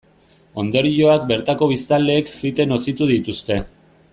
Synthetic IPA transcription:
o̞nd̪o̞ɾio̞ak̚be̞ɾt̪ako̞β̞ist̪ald̪e̞ːkfit̪e̞nosit̪uðit̪ust̪e̞

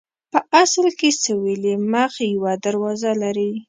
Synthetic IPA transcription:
pəʔaslkesəweliməxjawad̪aɾwɑzalaɾi

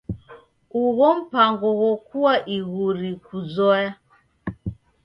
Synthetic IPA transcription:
uβɔm̩paŋɡɔwɔkuwaʔiɣuɾikuzɔja

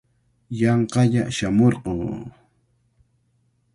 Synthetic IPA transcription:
jɑɴqɑʎaʃamoɾqoː

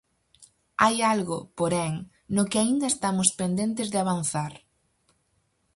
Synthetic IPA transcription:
ajalɣʊpoɾɛŋ | nʊkɪaind̪ɐest̪amʊspend̪ẽnt̪ɪzðɪaβan̟θaɾ

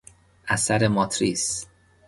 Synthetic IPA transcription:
ʔæsæɾemɒt̪ʰɾiːs

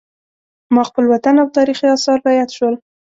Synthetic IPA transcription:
mɑxpəlwat̪anawt̪ɑɾixiɑsɑɾːɑjat̪ʃwəl

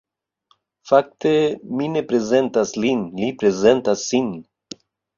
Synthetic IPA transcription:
fak̚t̪eminepɾezent̪aslinlipɾezent̪asːin

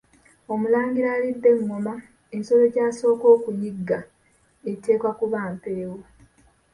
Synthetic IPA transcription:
o̞mulaːŋɡiɾaːlidːe̞ŋːoma | enso̞lo̞ɟaːso̞ːko̞ːkujiɡːa | etːe̞ːkwakuβaːmpeːwo

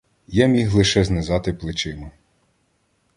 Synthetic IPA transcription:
jamʲiɦlˠɪʃɛznezɑt̪ɪplˠɪt͡ʃɪmɐ

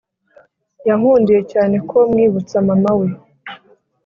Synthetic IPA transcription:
jaŋ̥uːndije̞caːne̞kʰomŋiːβut͡samamawe

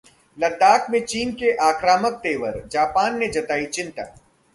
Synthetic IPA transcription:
lɐd̪aːkʰmẽt͡ʃiːnkeʔaːkɾaːmək̚t̪eːʋəɾd͡ʒaːpaːnːed͡ʒɐt̪aːit͡ʃɪ̃nt̪a̰ː

